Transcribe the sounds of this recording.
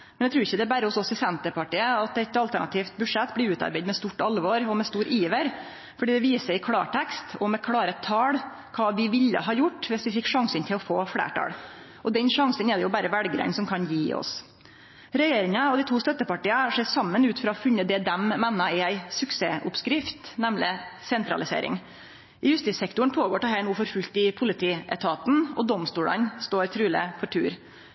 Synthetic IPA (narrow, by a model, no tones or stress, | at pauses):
mmɛnæɪt̪ɾʉːɾɪçːəd̪ɛæɾbæɾəʊsɔsːɔɪsɛnt̪əɾpɑʈiːəɑt̪ɛt̪ːɑlt̪æɳɑ̰t̪ʰiːft̪̚bʉʂɛt̪ːblɪʉːt̪ɑ̰ɾbæɪd̪mɛst̪uʈɑlʋoɾɔmɛst̪uːɾʔiːʋəɾ | fɔɖiːd̪ɛʋiːsəɾɪkʰɽɑ̰ːʈʰɛkst̪ɔmɛkʰɽɑːɾət̪ʰɑːɽ | kʰɑːʋɪʋɪlːə̰ɦɑːjʊʈːʋɪsʋɪfɪkːʂɑŋsənt̪ʰɪlɔfoːfɽæ̰ːʈʰɑ̰ːɽ | ʔɔd̪ɛnʂɑŋsənɛd̪ɛjʊbæːɾəʋælɡɾə̰nsɔmkʰɑnjiːɔ̰s | ɾɛjeːɾɪŋɑɔd̪ɪt̪ʰuːst̪œt̪ːəpɑʈiːəʂeːsɑmːənʉːt̪fɾɑɔfʉnːəd̪ɛd̪ɛmmɛnːɑɪæɪsʉkseːʔʊpskɾɪft̪nɛmlɪsɛnt̪ɾɑ̰lɪsḛːɾʔɪ̰ŋ | ɪjʉst̪ɪːsɛkt̪ʊəɳ̩pʰoːɡoːʈɛhæːɳuːfɔɾfʉlt̪ɪpʰʊlɪt̪ʰiːʔɛ̰t̪ʰɑːt̪n̩ɔ̰d̪ɔmst̪uːɽə̰nst̪oːɾt̪ʰɾʉːlə̰fɔʈʰʉːɾ